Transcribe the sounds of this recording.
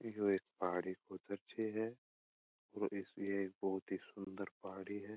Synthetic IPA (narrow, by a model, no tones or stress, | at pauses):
joeːk̚paːɽikod̪ɐɾt͡ʃʰeɦɛː | ɔːɾɪseeːk̚bɔɦʊt̪ɦisʊ̃nd̪əɾpaːɽiɦɛː